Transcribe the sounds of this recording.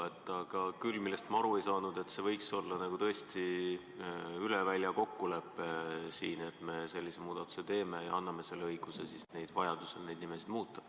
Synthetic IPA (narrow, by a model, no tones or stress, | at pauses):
et̪ˑːɑɡ̥ɑkylːmilːe̞st̪mɑɑɾue̞jsɑːnud̪e̞t̪se̞vɤjkso̞lːɑnɑɡ̥ut̪ɤ̞est̪i | ylevælʲjɑko̞kːule̞pːˑesiːnet̪ːˑme̞se̞lʲːise̞muːd̪̥ɑt̪ːˑu̥se̞t̪e̞ːme̞jɑɑnːɑme̞se̞lːeɤjɡ̥use̞sisne̞jd̪̥vɑjɑd̪̥usene̞jd̪nimesid̪muːt̪ˑːɑ̥